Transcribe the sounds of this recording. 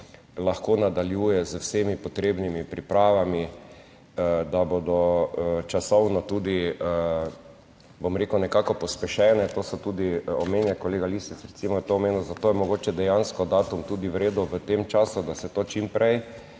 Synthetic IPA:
laxkoːnad̪aljuːjɛzəwsemipɔt̪ɾeːbnimipɾipɾaːʋami | d̪abod̪ɔət͡ʃasɔwnɔt̪uːd̪iə | bomɾekənɛkaːkɔpɔspɛʃɛːnɛt̪oːsɔt̪uːd̪iɔmeːnjɛkɔleːɡalisit̪sɾɛt̪simɔjɛt̪oːmeːnuzat̪oːjɛmɔɡoːt͡ʃɛd̪ɛjanskɔd̪aːt̪umt̪uːd̪iwɾeːd̪uʋət̪emt͡ʃaːsud̪asɛt̪oːt͡ʃimpɾɛj

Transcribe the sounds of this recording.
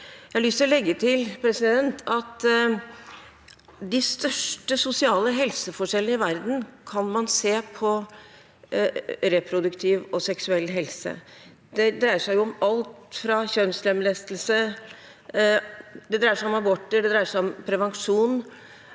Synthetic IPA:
jæɪlʏst̪əɾɔlɛɡːət̪ʰɪlpʰɾɛsɪd̪ɛnt̪ʰɑt̪ | d̪ɪst̪œʂʈəsʊsɪɑːləɦɛlsəfɔʂɛlənəɪʋæɾd̪n̩kʰɑnmɑnseːpʰɔ | ɾɛpʰɾʊd̪ʉkt̪ʰiːʋɔsɛksʉɛlːɦɛlsə̰ | d̪ɛd̪ɾæɪəʂæɪjʊɔmɑlt̪fɾɑçœnslɛmlɛst̪əl̩sə | d̪ɛd̪ɾæɪəʂæɪɔmɑbɔʈːəɖɛd̪ɾæɪəʂæɪɔmpʰɾɛʋɑŋʂuːn

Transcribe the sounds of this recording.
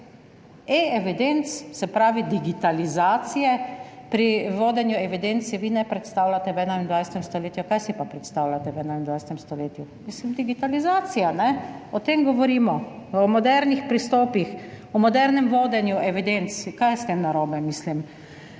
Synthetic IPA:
eɛʋid̪ent̪ssɛpɾaːʋid̪iɡit̪alizaːt̪sijɛpɾiʋoːd̪ɛnjuɛʋid̪ent̪sɛʋinɛpɾɛt̪st̪awlat̪ɛwɛnaind̪ʋajsɛ̥t̪ɛmst̪ɔleːt̪jukajsipapɾɛt̪st̪aːwlat̪ɛwɛːnaind̪ʋajsɛt̪ɛmst̪ɔleːt̪jumislimd̪iɡit̪alizaːt̪sijanɛɔt̪emɡɔʋɔɾiːmɔɔmɔd̪ɛɾnixpɾist̪ɔːpix | ɔmɔd̪ɛɾnɛmʋoːd̪ɛnjuʔɛʋid̪ent̪skajɛst̪emnaɾoːbɛmislim

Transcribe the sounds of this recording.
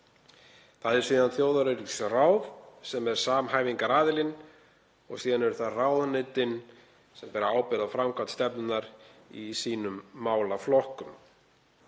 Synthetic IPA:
θaðɛɾ̥sviːðanθjoːwðaɾeɾiksraːwvsɛmɛɾ̥saːmɦajviŋkaɾaːðɪlɪn | ɔ̰ɣsiːðanɛɾʏθaðraːwðanɪt̪ɪn | sɛmpɛːɾaaːwpɪɾafɾamkʰvat̪st̪ɛpnʏnnaɾḭsiːnʏmːaːwlaflɔhkʏm

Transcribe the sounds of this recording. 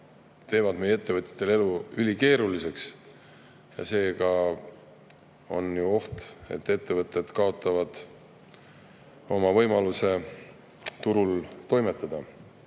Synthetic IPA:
t̪e̞ːvɑd̪̥me̞jee̞t̪ːe̞vɤt̪ʲːˑjɑ̥t̪ːˑele̞luylʲike̞ːɾulise̞ks | jɑ̰se̞ːkɑ | o̞̰njuo̞ht̪e̞̰t̪ːˑe̞t̪ːe̞vɤt̪ˑːe̞d̪̥kɑo̞t̪ːˑɑvɑd̪̥ | o̞mɑvɤ̞jmɑluse̞ | t̪uɾult̪o̞jme̞t̪ːˑɑd̪̥ɑ

